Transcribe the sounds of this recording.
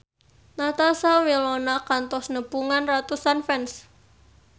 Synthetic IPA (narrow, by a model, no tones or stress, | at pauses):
nat̪asawilɔnakant̪ɔsnəpuŋanrat̪usanfɛns